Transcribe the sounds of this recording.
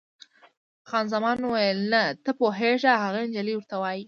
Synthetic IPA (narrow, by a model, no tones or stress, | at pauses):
xɑnzamɑnwajəlnat̪əpoɦeʐaɦaɣend͡ʒaliwəɾt̪awɑji